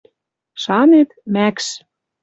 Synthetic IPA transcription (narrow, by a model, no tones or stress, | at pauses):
ʃɑnet̪mækʃ